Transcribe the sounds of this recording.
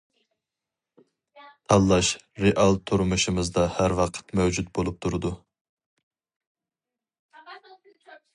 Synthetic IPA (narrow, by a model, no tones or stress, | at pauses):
t̪ʰɑlˠːɑʃ | ɾeʔɑlˠt̪ʰuɾmuʃɨmɨzd̪ɑhæɾwɑqʰə̥t̪mɛwd͡ʒut̪̚bolˠup̚t̪ʰuɾɨd̪u